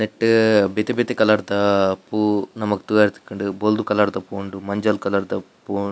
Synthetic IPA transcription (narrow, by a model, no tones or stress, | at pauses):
neʈːbet̪ebet̪ekɐlaːɽt̪ɐpunɐmɐku̥t̪uaːɾt̪i̥kːɐɳɖubold̪ukɐlaːɽt̪ɐpoːɳɖumɐɲd͡ʒɐlkɐlaːɽt̪ɐ | pu